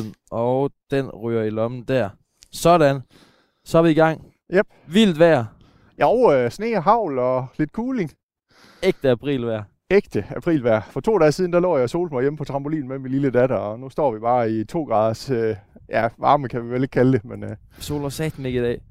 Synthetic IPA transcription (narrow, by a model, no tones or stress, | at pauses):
n̩ʔɒd̥enʁy̰ːɐilɒmn̩d̥æɐ̰ | sɒ̽ɾ̥æn | sɒɑʋiːɡ̥ɑ̈ŋ̰ | jæb̥̚ʋil̰d̥ʋæɐ̰ | joʊøsne̝ːɦɑ̈ʊ̰lɒ̽le̝d̥̚kʰuːle̝ŋ | eɡ̥̚d̥əæpʰʁḭːlʋæɐ̰ | eɡ̥̚d̥əæpʰʁḭːlʋæɐ̰fɒt͡sʰo̝̰ːd̥ɛ̰ːsiːð̞ˠn̩d̥ælɔ̰ʊːjɑ̈ɪso̝̰ːld̥̚mɑ̈ɪjeməpʰɒ̽t͡sʰʁɑ̈mb̥o̝lḭːn̩meminliləd̥æɾɐɒnusd̥ɒ̰ːʋib̥ɑ̈ːit͡sʰo̝̰ːɡ̥ʁɑ̈ːðˠɐsøjæʋɑ̈ːməkʰæʋiʋele̝ɡ̥̚kʰæld̥e̝men | so̝̰ːlɐsɛːd̥n̩e̝ɡ̥əid̥ɛ̰ː